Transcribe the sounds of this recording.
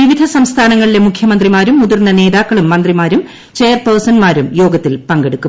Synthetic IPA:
ʋiʋid̪ʱɐsɐmst̪ʰaːnɐŋːɐɭile̞mukʰjɐmɐnd̪rimaːɾumːuðurnɐne̞ːðaːkːɐɭumːɐnd̪rimaːɾum | t͡ɕe̞ːjɐrpɐːrsɐnmaːɾumjo̞ːɡɐt̪ːilpɐŋɡe̞ɽukːu

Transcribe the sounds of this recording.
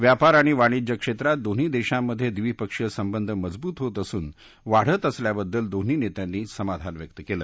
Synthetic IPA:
ʋjapaɾaɽ̃iʋaɽ̃id͡ʑəkʂet̪ɾat̪̚d̪on̤iːd̪eɕamːəd̪ʱːjed̪ʋipəkʂəsəmbənd̪ʱəməd͡zbuːt̪ɦot̪əsuːn | ʋaɽ̤ət̪əsljabəd̪ːəld̪on̤iːnet̪janːiːsəmad̪ʱanʋjək̚t̪əkeləː

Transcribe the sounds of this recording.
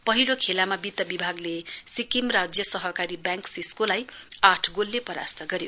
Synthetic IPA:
pʌɦilokʰelamabit̪ːʌbibʱaɡlesikimrad͡zjʌsʌɦʌkaɾibjãŋksiskolajaʈʰɡolːepʌɾa̰st̪ʌɡʌɾjo

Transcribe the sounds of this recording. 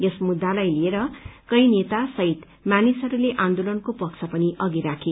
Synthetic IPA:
jʌsmud̪ːalajlieɾʌkʌjnet̪asʌɦit̪ | mjanisʌɾuleʔãnd̪olʌnkopʌkt͡sʰʌpʌniʔʌɡiɾakʰe

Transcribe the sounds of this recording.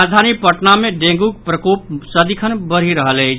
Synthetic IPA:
d͡ʒd̪ʱanipəʈnamẽɖẽŋɡuk̚pɾəkoːp̚səd̪ikʰənbəɾ̤iɾəɦəle

